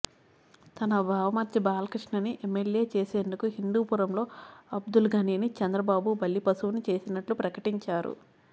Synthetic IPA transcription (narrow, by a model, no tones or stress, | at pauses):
t̪ɐnɐbʱaːʋɐmɐɾt̪jibaːlɐkɾiʂɳɐniʔemːelje̞ːt͡ʃe̞ːse̞ːnd̪ukuɦind̪uːpuɾɐmlo̞ːɐbd̪ulɡɐneːnit͡ʃɐnd̪ɾɐbaːbubɐlːipɐsuʋnit͡ʃe̞ːsinɐʈlupɾɐkɐʈiɲt͡ʃaːɾṵ